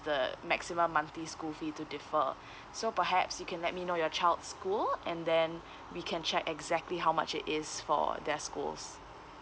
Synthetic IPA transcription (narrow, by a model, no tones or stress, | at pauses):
dəmɛksimə̃mːãnt̪iskulfitudɪfə | sopəɦɛpsjukʰɛ̃nlɛt̚minojɔt͡ʃaɪldskulʔɛ̃ndɛ̃n | wikʰɛ̃nt͡ʃɛkɛɡzɛk̚tliɦawma̰t͡ʃɪ̰tɪsfɔ̰dɛskṵls